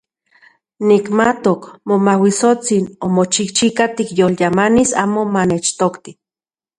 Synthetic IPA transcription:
nikmat̪okmomawisot͡sinomot͡ʃikt͡ʃikat̪ikjoljamanisa̰ːmomanet͡ʃt̪okt̪i

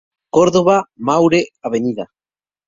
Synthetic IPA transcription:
koɾðoβamawɾeaβeniða

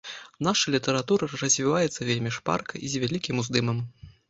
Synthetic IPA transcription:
naʂɐlʲit̪ɛɾat̪uɾɐɾɐzʲvʲivajɛt̪sːɐvʲelʲmʲiʂpa̰rkɐʔizʲvʲalʲikʲimuzd̪ɨmɐm

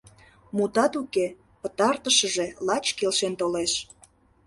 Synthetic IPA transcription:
mut̪ɑt̪uke | pət̪ɑrt̪əʃəʒelɑt͡ɕkelʃent̪oleʃ

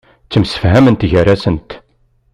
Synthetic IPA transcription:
t͡sːəmsə̥fɦæmənt̪ʝəɾæsənt̪

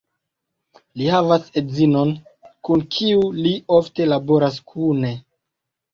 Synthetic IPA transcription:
lihavasezino̞nkunkʰiuliofte̞labo̞ɾaskʰune̞

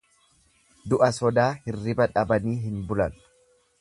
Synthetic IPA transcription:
d̪ʊʔɐsɔd̪aːhɪrːɪbɐᶑɐbɐniːɦɪnbʊlɐ̰n

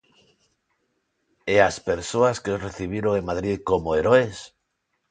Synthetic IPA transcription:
easpeɾsoaskeozreθiβ̞iɾoeŋmaðɾiðkomoeɾoes

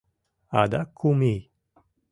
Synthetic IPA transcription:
ad̪akʰumi

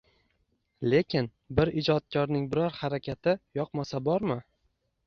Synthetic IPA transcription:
le̞kʲʰɪn | bɪɾɪd͡ʒɒt̪̚kʰʲɒɾnɪŋbɪɾɒɾhaɾakʲat̪ʰɪjɒqmasabɒɾmɪ

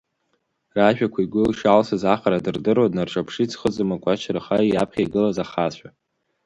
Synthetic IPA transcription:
raʒᶣakʷʰaiɡʷʊlʃalsɨzaχaɾadɨrdɨroadnarʈ͡ʂʼapʰʂit͡sʰʼχət͡sʼɨmakʷʼat͡ʃʰrχaiapʰχʲajɡɨlazaχaɕʷᶣa

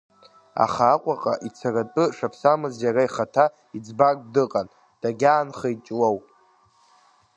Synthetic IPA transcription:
a̰χaːqʷʼaqʼaʔit͡sʰaratʼɨʂapʰsamɨzjaraiχatʰa | id͡zbakʼdɨqʼan | d̥aɡʲaːnχajt͡ʃʼwow

